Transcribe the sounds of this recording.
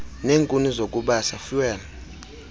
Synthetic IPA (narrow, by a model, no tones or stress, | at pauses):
neːŋkʼunizok̬ʼuɓasafiwɛl